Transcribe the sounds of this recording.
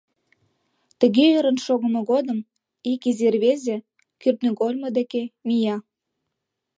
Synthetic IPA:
t̪ə̆ɣeøɾə̆nʃoɣə̆mɤ̆ɣod̪ə̆m | ikizerβezĕ | kyrt̪nøɣolʲmɤd̪ekemijɑ

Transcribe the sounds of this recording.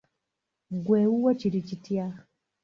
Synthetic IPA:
ɡweːuwaciɾicitja

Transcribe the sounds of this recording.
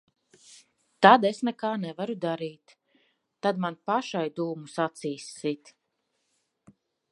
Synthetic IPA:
t̪ad̪esnɛkaːnɛvaɾud̪aɾiːt̪ː | ad̪manpaʃajd̪uːmusat̪siːsːit̪

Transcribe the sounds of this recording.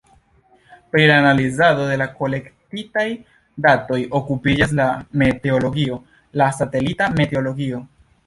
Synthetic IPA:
pɾilaːnalizado̞de̞lako̞le̞ktitaj | dato̞jo̞kupid͡ʒas̬lame̞te̞o̞lo̞ɡio̞ | lasate̞litame̞te̞o̞lo̞ɡio̞

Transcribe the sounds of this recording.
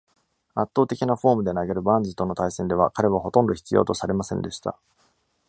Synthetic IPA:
at̪ːo̞ːt̪e̞kʲinaɸo̞ːmɯ̟d̪e̞naɡe̞ɾɯ̟bãnd͡zɨt̪o̞no̞t̪aisẽ̞nd̪e̞β̞akaɾe̞βaɦo̞t̪õ̞nd̪o̞çi̥t͡sɨjo̞̰ːt̪o̞saɾe̞masẽ̞nd̪e̞ɕi̥t̪a̰

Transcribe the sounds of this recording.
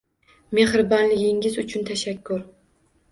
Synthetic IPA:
me̞hɾɪbɒnlɪɡʲɪŋɪzʊt͡ʃʰʊnt̪ʰaʃakʲʰːʊɾ

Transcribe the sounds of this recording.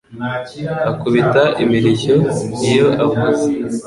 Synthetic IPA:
akuβitaʔimiɾiço̞ijo̞ʔavuze

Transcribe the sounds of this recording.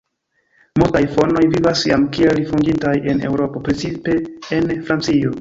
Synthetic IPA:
multajfo̞no̞jvivasja̰mkielifundintaje̞ne̞̰wɾo̞po̞pɾet͡sipe̞ːnfɾant͡sio̞

